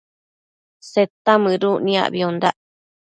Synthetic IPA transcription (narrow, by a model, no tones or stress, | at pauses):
set̪amɨ̃ɾuʔnĩa̰βiond̪aʔ